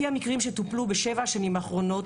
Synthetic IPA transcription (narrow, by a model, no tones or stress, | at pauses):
iamikʁimʃet̪uplubeʃevaaʃanimaːχʁo̞no̞t